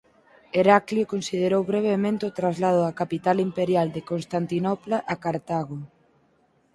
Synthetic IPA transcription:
eɾakljokonsið̞eɾowβɾeβemẽnt̪eot̪ɾazlað̞ʊakapit̪alimpeɾjald̪ekonst̪ant̪inɔplaʔakaɾt̪aɣo

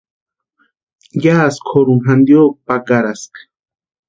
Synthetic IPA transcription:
jaːskʰoɾuɦand̪joːk̚pakaɾask

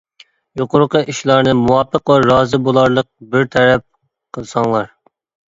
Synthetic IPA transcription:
joqʊɾqəʔiʃlˠɑɾnɨmuwɑːpʰːəqwɑɾɑːzɨbolˠɑɾlˠəq̚bɪɾt̪ʰɛɾɛp̚ | qʰəlˠsɑŋlˠɑɾ

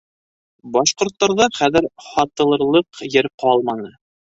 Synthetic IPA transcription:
bɑʃqŏɾt̪ːɑɾðɑχæðɘɾχɑt̪ɤ̆lˠɤ̆ɾlˠɤqjɘɾqɑlˠmɑnɤ

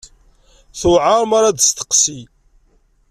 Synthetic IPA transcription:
θʊʕaɾˤmaɾad̪st̪ə̥qsi

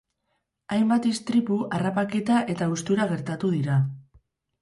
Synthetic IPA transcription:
ajmbat̪ist̪ɾipuʔarapaket̪aʔe̞t̪aust̪uɾaɣ̞e̞ɾt̪at̪uðiɾa

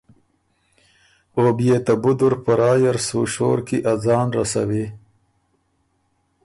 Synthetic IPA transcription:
oːbjeːt̪abud̪uɾpɐɾɑːjaɾsuːʃo̰ːɾkiʔad͡zɑːnɾasɐ̰wi

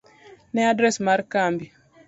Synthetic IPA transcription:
nɛadɾɛsmaɾkambi

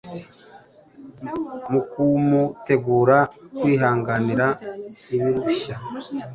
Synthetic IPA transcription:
mukumute̞ɡuːɾakwiːɦaːŋɡaniɾaniβiɾuʃa

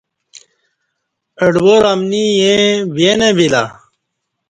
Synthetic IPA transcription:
əɖboɾamnijẽbenebila̰

